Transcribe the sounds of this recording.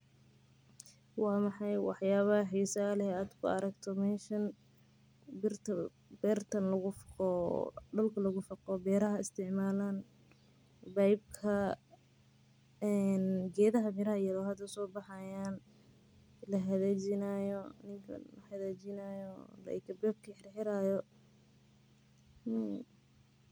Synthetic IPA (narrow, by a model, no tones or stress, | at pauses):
wɑːmɑħɑjwɑħjaːβɐħiːsɐlɛaːd̪kʰʊ̰ɐɾɐɡt̪ʰɔmɛːnʃɐn | bɪrt̪ʰ | bɛrt̪ʰɐnlɐɣʊfqɔɖʊlkʰɐlɐɣʊfɐqɔbɛːɾɐɦɐɪst̪ʰɪʕmaːlaːn | bɐjb̚kʰɐ | ɛnɡɛːðɐɦɐmɪɾɐhɐjɐðɔːɦɐd̪ɐsɔːbɑħɑjaːn | lɐɦɐðeːt͡ʃɪnaːjɔnɪŋkʰɐ̰lɐhɐðeːt͡ʃɪnaːjɔlɐ̰kʰɐbɛːb̚kʰɐħɪrħɪɾaːjɔ